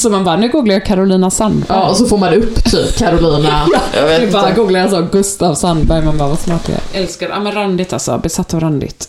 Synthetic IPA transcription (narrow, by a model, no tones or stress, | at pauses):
sɔmanvanːɛɡuːɡlaakʰaɾʊliːnasanːʔɑɔsɔfoːɾmand̪ɛɵpːt̪ʰy̰ːpkʰaɾʊliːnajbɑːɡuːɡlaɾas̬ɔɡɵst̪avsanbœɾmanbɑːvasmɑːʈ̪̚ɛ̰ɛ̰ʔɛlskaɾʔa̰mɛnɾand̪ɪt̪a̰lsɔ̰bɛsat̪ːɔɾand̪ɪ̰t̪